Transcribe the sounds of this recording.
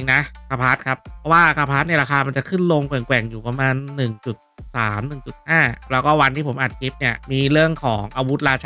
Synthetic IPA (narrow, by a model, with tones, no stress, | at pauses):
i˧ŋna˦˥kʰa˧˩pʰaː˦˥t̪̚kʰa˦˥p̚pʰːɔ˦˥waː˥˩kʰa˧˩pʰaː˦˥t̪̚ni˥˩ɾaː˧kʰaː˧ma˧nt͡ɕa˨˩kʰɯ˥˩nlo˧ŋkwɛ˨˩ŋkwɛ˨˩ŋjuː˨˩pa˧maː˧nːɯ˨˩ŋt͡ɕu˨˩t̪̚saː˩˦mnɯ˨˩ŋt͡ɕu˨˩t̪̚haː˥˩lɛː˦˥wkɔː˥˩wa˧nt̪ʰiː˥˩pʰo˩˦mʔaː˨˩t̚a˨˩i˦˥p̚ni˥˩ɐmiː˧ɾɯ˥˩əŋkʰɔː˩˦ŋʔaː˧wu˦˥t̪̚ɾaː˧t͡ɕʰa˧